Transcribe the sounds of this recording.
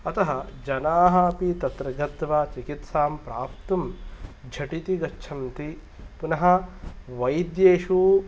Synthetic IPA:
ɐt̪ɐɦɐd͡ʒɐnaːɦɐpit̪ɐt̪ɾɐɡʱɐt̪ʋaːt͡ʃikit̪saːmpɾaːp̚t̪ɐmd͡ʒʱɐʈit̪iɡɐt͡ʃːʃʰɐmt̪i | punɐɦɐ̆ʋɐjd̪jeːʃu

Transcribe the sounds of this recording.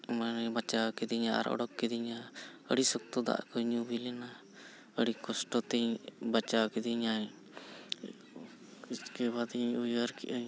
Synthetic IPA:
manɛbat͡ʃawkɛd̪iɲaa̰ɾɔ̰ɽɔkːɛd̪iɲaə̰ɽisɔk̚t̪ɔd̪a̰ʔkɔɲubilɛna | əɽikɔsʈɔt̪ɛbat͡ʃawkɛd̪iɲaj | kiskebad̪iɲujəɾkɛʔa

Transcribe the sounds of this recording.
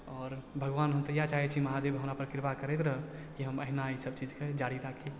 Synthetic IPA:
ɔːɾbʱəɡʋaːnɦəmt̪əjat͡ʃaɦɛt͡ʃʰiməɦad̪ebɦəmɾapəɾkɪɾpakəɾɛt̪ɾə | kiɦəməɦnaisəb̚t͡ʃid͡ʒked͡ʒaːɾiɾakʰi

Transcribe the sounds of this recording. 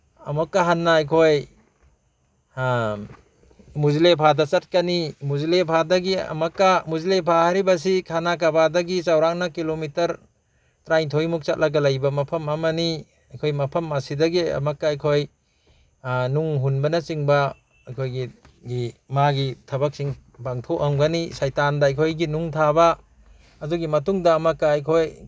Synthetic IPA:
ɐmɐkːaɦanːaːjkʰoj | muzilepʰadɐt͡ʃɐt̚kanimuzilepʰadɐɡiɐ̰mɐkːamuzilepʰahaɾibɐs̬ikʰanak̬abadɐɡit͡ʃawɾaŋnakilomitɐɾ | tɾajŋtʰojmuk̚t͡ʃat̚lɐɡɐlajbɐmɐpʰɐmɐmɐni | ɐjkʰojmɐpʰɐmasidɐɡiɐ̰makːaːjkʰoj | nuŋɦunbɐnɐt͡ʃiŋbɐ | ɐkʰojɡiɡimaɡitʰɐbɐk̚siŋbaŋtʰoʔaŋɡanisajtandaːjkʰojɡinuŋtʰaba | ɐdɔɡimɐtuŋdɐːmɐkːaːjkʰoj

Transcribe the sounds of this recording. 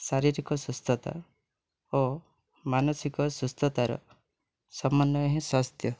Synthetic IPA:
saɾiɾikɔsust̪ɔt̪a̰ | o | manɔsikɔsust̪ɔt̪aɾɔ̰ | sɔmːɔnːɔeɦĩswast̪ʰjɔ

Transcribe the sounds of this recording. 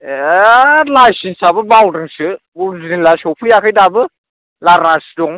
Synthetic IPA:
lajsinsabɯbawɾɯŋsɯ | bulziŋlasɔpʰɯjakʰɯjdabɯ | laɾnasɯdɔŋ

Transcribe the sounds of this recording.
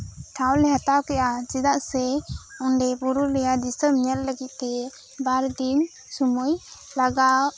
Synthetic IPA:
ʈʰawlɛɦat̪awkɛʔat͡ʃid̪aʔsɛɔɳɖɛbuɾulɛjad̪isəmɲɛlləɡit̪̚t̪ɛ | baɾd̪in | sumujlaɡaw

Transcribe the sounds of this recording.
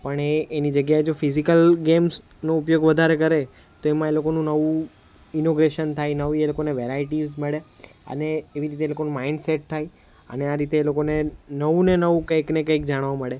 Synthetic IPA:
pəɳeːnid͡ʒəɡjaed͡ʒofizikəlɡems | noupjoɡʋəd̪ʱaɾekəɾe | t̪oemãelokonũnəʋũ | inoɡɾeʃənt̪ʰajnəʋielokoneʋeɾaiʈizməɭeə̰neːʋiɾit̪eːlokonũmaiɳɖseʈ̚t̪ʰaj | ə̰neaɾit̪eːlokonenəʋũnenəʋũkəjknekəikd͡ʒaɽ̃ʋãməɭe

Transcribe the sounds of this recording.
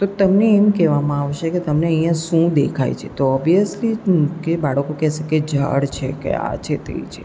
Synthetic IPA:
t̪ot̪əmneːmkɛʋamãaʋʃeket̪əmneəjjãʃũd̪ekʰa̰jt͡ʃʰet̪oɔbijəslikebaɽəkokɛʃeked͡ʒʱə̰ɽt͡ʃʰekḛa̰t͡ʃʰet̪ḛit͡ʃʰe

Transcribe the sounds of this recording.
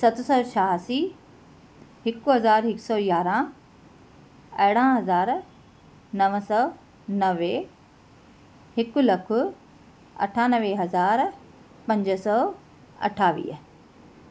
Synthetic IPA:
sɐt̪ʰʊsɔːʃʰaːɦsiː | hɪkʊɦɐzaːɾɦɪksɔːjaːɾã | ɐɦɪɽ̃ãɦɐzaːɾ | nɐʋəsɔː | nɐʋe | hɪkʊlɐkʰʊ | ɐ̰ʈʰaːnəʋeɦɐzaːɾ | pɐ̃ɲd͡ʑəsɔː | ɐ̰ʈʰaːʋḭːɦ

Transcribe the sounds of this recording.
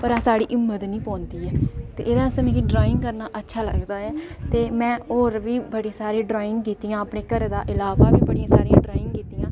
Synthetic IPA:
pəɾãːsaːɽiːʔɪmːət̪nĩːpɔ̃ːnd̪iːɛːt̪ḛːʔeːd̪ãːɪst̪əmɛ̃ːkiɖɾaːɪ̃ŋɡkəɾnaːʔətːʃʰaːlə̰ɡd̪aːɛːt̪eːmɛ̃ːoːɾʋiːbəɽiːsaːɾẽːɖɾaːɪ̃ŋɡkiːt̪iːãːəpɳeːkəɾd̪aːʔɪlaːʋaːʋiːbəɽijãːsaːɾijãːɖɾaːɪ̃ŋɡkiːt̪iːãː

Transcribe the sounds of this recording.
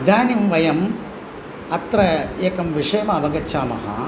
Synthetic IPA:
d̪aːnimʋɐjɐm | ɐt̪ɾɐjeːkɐmʋɪʂɐjɐmɐːʋɐɡɐt͡ʃːaːmɐ̰ɦɐ̰

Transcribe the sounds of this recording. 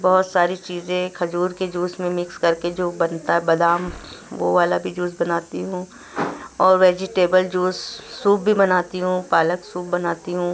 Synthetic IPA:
bɔɦʊt̪saːɾit͡ʃiːzẽkʰɐd͡ʒuːɾked͡ʒuːsmẽmɪkskɐɾked͡ʒoːbɐnt̪aɦɛbɐd̪aːmʋoʋaːlabʱid͡ʒuːsbɐnaːt̪iɦũː | ɔːɾʋeːd͡ʒɪʈeːbəld͡ʒuːsːuːp̚bʱibɐnaːt̪iɦũpaːləksuːp̚bɐnaːt̪iɦũː

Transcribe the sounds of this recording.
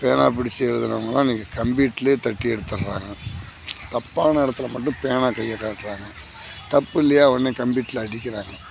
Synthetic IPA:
peːnaːpɪɽɪt͡ʃːɛɽɯðɯnaːŋɡɐlːãːniːŋkːɐkɐmbiːʈːɪleːt̪ɐʈːɪjɛɽɯt̪ːɯɾɾa̰ːŋɡɐ | t̪ɐpːaːnɐɪɽɐt̪ːɯlɐmɐʈːʊ̃peːnaːkɐjːɐkːaːʈ̪ːɯɾaːŋɡɐ | t̪ɐpːɪlːɐjaːʋɐnːeːkɐmbiːʈːɪlɐɐɽɪkʲːɪɾaːŋɡɐ

